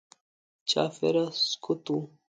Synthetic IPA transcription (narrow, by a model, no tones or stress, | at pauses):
t͡ɕa̰ːfḛɾasskʰut̪u